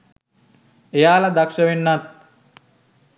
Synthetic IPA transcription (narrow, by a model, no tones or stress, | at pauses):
ejaːlad̪akʂɐʋenːat̪̚